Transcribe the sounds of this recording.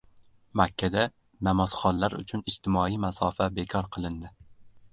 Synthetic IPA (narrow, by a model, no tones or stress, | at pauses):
makʲʰːad̪a | namɒz̥χɒnlaɾʊ̰t͡ʃʰʊnɪst̪ʰɪmɒijmasɒfabe̞kʰɒɾqʰɨlˠɪnd̪ɪ